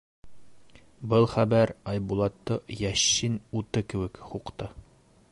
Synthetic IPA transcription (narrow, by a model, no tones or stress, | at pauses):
bɤlˠχæbæɾɑjbulˠɑt̪ːɤjæɕːinut̪ɤkɘ̆wɘ̆kχuqt̪ɤ